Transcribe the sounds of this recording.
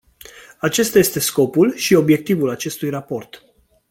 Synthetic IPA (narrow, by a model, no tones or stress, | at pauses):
at͡ʃe̞st̪aje̞st̪e̞sko̞pulʃio̞bje̞k̚t̪ivulat͡ʃe̞st̪ujrapo̞rt̪